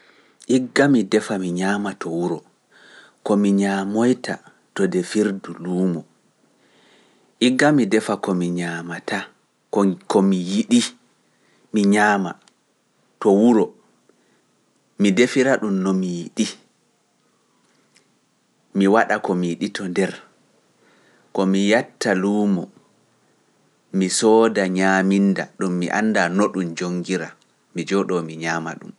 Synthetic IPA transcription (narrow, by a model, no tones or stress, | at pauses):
ʔiɡːamidɛfamiɲaːmatɔwuɾɔ | kɔmiɲamojta̰ | tɔdɛfiɾduluːmɔ | ʔiɡːamidɛfakɔmiɲamata | kɔkɔmijiɗi | miɲaːma̰ | tɔwuɾɔ | midefiɾaɗumnɔmijiɗi | miwaɗakɔmijiɗitʰɔndɛɾ | kɔmijatːaluːmɔ | misɔːdaɲaːmindaɗumːiʔa̰nːdanoɗumd͡ʒoŋɡiɾa | mid͡ʒɔɗɔmiɲaːma̰ɗṵm